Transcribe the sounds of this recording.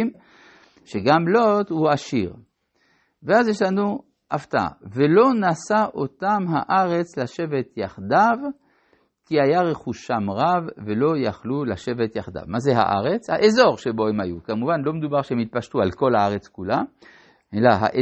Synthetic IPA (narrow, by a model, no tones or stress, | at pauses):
m | ʃeɡamlot̪huaʃiʁ | veazjeʃlanu | ʔaft̪aa̰velo̞nasaʔot̪amɦaʔaʁe̞t͡slaʃe̞vet̪jaχd̪av | kiajaʁeχuʃamʁavve̞lo̞jaχlulaʃe̞vet̪jaχd̪a̰vmazeɦa̰ʔa̰ʁet͡shaʔezo̞ʁʃebo̞hemajukamuvanlo̞med̪ubaʁʃehemit̪̚paʃt̪ualko̞lhaaʁet͡skula | elaɦa̰ʔe